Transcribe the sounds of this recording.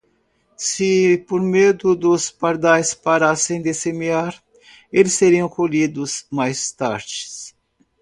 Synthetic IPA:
sɪpoɾmed̪ʊd̪ʊspaɾd̪ajspaɾasẽj̃d̪ɪsemiaɾ | elɪsːeɾiɐ̃kolid̪ʊzmajst̪a̰ɾd͡ʒɪ̥s

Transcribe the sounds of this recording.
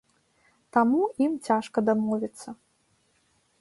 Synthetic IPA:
t̪amuimt͡sʲaʂkɐd̪amɔvʲit̪sːɐ

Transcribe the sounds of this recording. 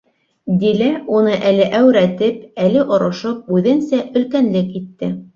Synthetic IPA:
d̪ilæunɤʔælɘʔæwɾæt̪ɘpælɘʔŏɾɤ̆ʃɤp̚ʉðɘnsæʔɵ̆lkænlɘkit̪ːɘ

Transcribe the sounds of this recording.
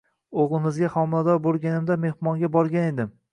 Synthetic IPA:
oʁlˠɪmɪzɡʲaχɒmɪlad̪ɒɾbolˠɡʲanɪmd̪ame̞hmɒŋɡʲabɒɾɡʲane̞d̪ɪm

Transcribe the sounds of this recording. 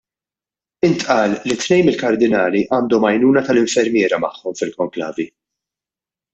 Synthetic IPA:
ɪnt̪ʔɐːlːit̪ːnɛjmɪlkɐɾd̪ɪnɐːliʔɐːnd̪ɔmɐjnuːnɐt̪ɐlɪɱfɛɾmjɪːɾɐmɐħːɔmfɪlkɔŋklɐ̰ːvi

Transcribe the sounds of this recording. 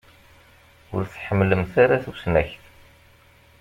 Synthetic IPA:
ʊ̰ɾθħəmːləmθaɾaθusnæçθ

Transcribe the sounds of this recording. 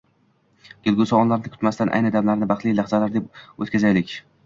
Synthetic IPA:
ɡ̥ʲelɡʊsaɒnlaɾnɪkʲʰʊ̥t̪mast̪anʔa̰jnɪd̪amlaɾnɪbaχt̪lˠijlahzalaɾd̪epot̪kʲazajlɪkʲ

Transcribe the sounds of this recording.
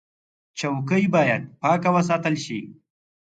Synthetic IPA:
t͡ʃawkəjbɑːjad̪̚pɑːkawəs̬ɑːt̪əlʃi

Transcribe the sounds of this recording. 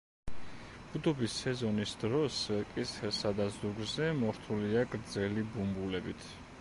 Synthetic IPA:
b̥ud̪ɔbisɛzɔnisd̪ɾɔsɛkʼisɛsad̪azuɡɾzɛmɔɾt̪ʰuliaɡɾd̪zɛlibumbulɛbit̪ʰ

